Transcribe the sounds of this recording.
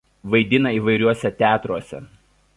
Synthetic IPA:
ʋɐɪd̪ʲɪnɐiːʋɐɪɾʲuɔsʲɛt̪ʲæːt̪ɾuɔsʲɛ̰

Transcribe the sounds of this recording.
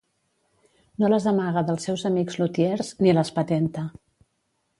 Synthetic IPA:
noləzðəmaɣəðəlˠsːɛwzəmiɡzlut̪jeɾzniləspət̪ɛnt̪ə

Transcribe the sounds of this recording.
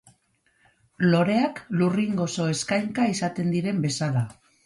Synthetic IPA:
lo̞ɾe̞akluriŋɡo̞so̞e̞skajŋkaisat̪e̞nd̪iɾe̞mbe̞sala

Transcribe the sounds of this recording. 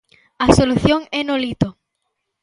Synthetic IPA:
asoluθjoŋenolit̪o

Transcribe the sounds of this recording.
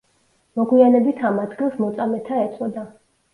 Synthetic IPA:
mɔɡwianɛbit̪ʰamad̪ɡilˠsmɔt̪sʼamɛt̪ʰaɛt̪sʼɔd̪a

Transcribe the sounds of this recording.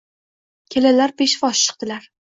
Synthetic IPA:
kʲʰelalaɾbeʃvɒʃt͡ʃʰːɨ̥q̚t̪ɪlaɾ

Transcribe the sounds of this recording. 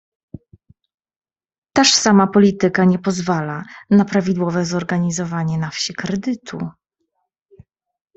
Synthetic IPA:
t̪aʂsamapɔlʲit̪ɘkaɲɛpɔzvalanapɾavʲid̪wɔvɛzɔɾɡaɲizɔvaɲɛnafɕikɾɛd̪ɘt̪ʰṵ

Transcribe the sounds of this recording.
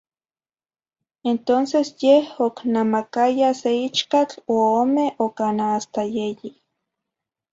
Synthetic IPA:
ent̪onsesjehoknamakajaseit͡ʃkat͡ɬooːmeokanaast̪ajeji

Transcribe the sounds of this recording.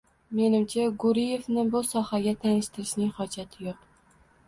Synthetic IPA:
me̞nɪmt͡ʃʰaɡʊɾije̞vnɪbʊsɒhaɡʲat̪ʰanɪʃt̪ɪɾɪʃnɪŋχɒd͡ʒat̪ʰɪjoq

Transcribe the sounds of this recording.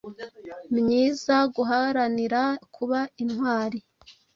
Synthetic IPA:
mɲiːzaɡuɦaɾaniɾakʰuβainhwaːɾi

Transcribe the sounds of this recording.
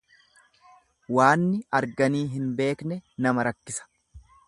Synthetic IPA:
waːnːɪɐɾɡɐniːɦɪnbe̞ːknɛnɐmɐɾɐkːɪsɐ̥

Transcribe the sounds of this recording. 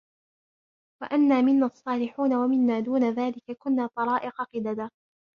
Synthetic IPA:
waʔanːaːmɪnːaːʔsˤːɑːlɪħuːnawamɪnːaːd̪uːnaðaːlɪkakʊnːaːt̪ˤɑɾˤɑːʔɪqɑqɪd̪ad̪aː

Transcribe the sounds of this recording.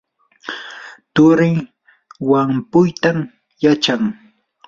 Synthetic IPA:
t̪ʊɾɪ | wampʊjt̪am | jat͡ʃaŋ

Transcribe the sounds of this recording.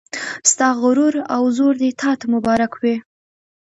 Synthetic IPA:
st̪ɑɣʊɾuɾawzoɾd̪et̪ʰɑt̪amʊbɑɾakwe

